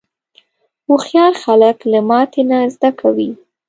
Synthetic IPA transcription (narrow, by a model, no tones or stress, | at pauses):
uxjɑɾxaləklamɑt̪enazd̪akʰawi